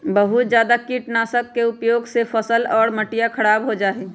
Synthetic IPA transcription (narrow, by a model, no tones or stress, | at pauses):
bəɦut̪d͡ʒjaːd̪akiʈnaːsəkːeʊpjoːɡsefʰəsəlɔːɾməʈijakʰəɾaːbɦod͡ʒaːɦi